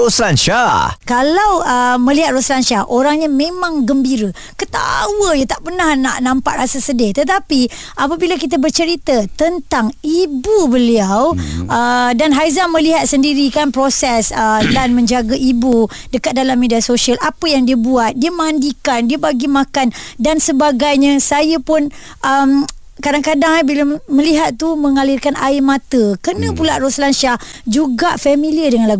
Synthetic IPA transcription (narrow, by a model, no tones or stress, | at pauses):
oslanʃakalawəmə̃liɦat̪̚roslanʃaʔoɾaŋɲamẽmãŋɡəmbiɾə | kət̪a̰wəjat̪aʔpərnahna̰ʔnãmpaʔɾasasədɪht̪ət̪api | ʔap̬abilakit̪̬əbərt͡ʃəɾit̪ət̪ənt̪aŋibubəliawədanɦajzamə̃liɦat̪̚səndiɾikanpɾosɛsədanmə̃ɲd͡ʒaɡaʔibu | dəkat̪̚dalamːediasoʃialʔapəjaŋdiəbuat̪̚diəmə̃andikandiəbaɡimãkandansəbaɡajɲə̃sajəpʊn | ʔəm | kadaŋkadaŋbiləmə̃liɦat̪̚t̪ːumə̃ŋalirkanaɪmãt̪əkənə̃pulaʔɾoslanʃah | d͡ʒuɡaʔfamĩliədəŋanlaɡu